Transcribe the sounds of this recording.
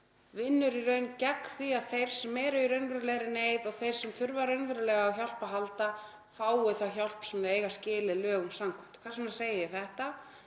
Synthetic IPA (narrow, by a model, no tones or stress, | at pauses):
vɪnːʏɾiɾœɥncɛkθiaðθejɾ̥sɛmːɛːɾʏɾœɥnvɛɾɪlɛɣɾɪneːjðɔɣθejɾ̥sɛmθʏɾvaɾœɥnvɛɾʏlɛɣaːwçal̥paɦalt̪a | faːwʏθawçal̥psɛmðɪeːjɣascɪːlɪðlœːɣʏmsamkʰvɛm̥t̪kʰvasnaseːjɪjɪθɛht̪a